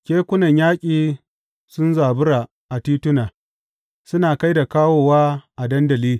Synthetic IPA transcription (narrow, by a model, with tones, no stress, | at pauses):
kʲeː˦kʷʊ˦nɐ˨ɲjaː˦kʲʼiː˨ | sʊ˦nzaː˨bʊ˦ɽa˨ | ʔa˨tiː˦tʊ˦naː˨ | sʊ˦naː˨ka˦jda˨kaː˦woː˦waː˦ʔa˨dɐ˦ndɐ˨liː˦